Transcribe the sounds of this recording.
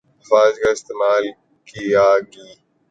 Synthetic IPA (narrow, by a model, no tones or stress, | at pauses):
faːd͡ʒkaɪst̪eːmaːl | kijaːɡiː